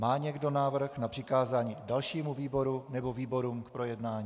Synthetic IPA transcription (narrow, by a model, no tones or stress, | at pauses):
maːɲɛɡdo̞naːvr̩xnapr̝̥ɪkaːzaːɲiːdalʃiːmuviːbo̞ɾunɛbo̞viːbo̞ɾuːmkpɾo̞jɛdnaːɲiː